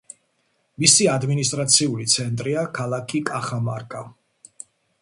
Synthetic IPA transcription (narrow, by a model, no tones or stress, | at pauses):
misiad̪minis̬t̪ʼɾat̪sʰiulit̪sʰɛnt̪ʼɾiakʰalˠakʰikʼaχamaɾkʼa